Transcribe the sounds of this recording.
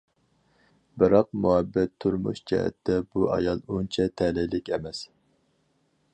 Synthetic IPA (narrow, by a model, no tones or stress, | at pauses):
bɨɾɑqmuɦɛbːɛt̪ʰːuɾmṵʃd͡ʒɛ̰ɦɛ̰t̪ʰːɛbuɑ̰jɑlˠunt͡ʃʰɛt̪ʰɛlɪlɪkʲɛmɛs